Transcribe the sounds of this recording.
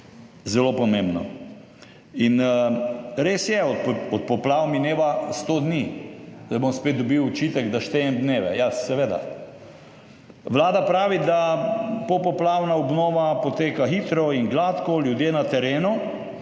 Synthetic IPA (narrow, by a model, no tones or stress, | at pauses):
zɛlopɔmẽmbnɔ̰ | in | ɾeːsjɛɔpɔt̪̚pɔplawmineːʋast̪oːd̪nid̪abomspeːt̪̚d̪ɔbiwːt͡ʃiːt̪ɛɡd̪aʃt̪ejɛmd̪neːʋɛjasɛʋeːd̪a̰ | ʋlaːd̪apɾaːʋid̪apopɔplawnaɔbnɔːʋapɔt̪eːkaxit̪ɾɔinɡlaːt̪kɔljud̪jeːnat̪ɛɾeːnu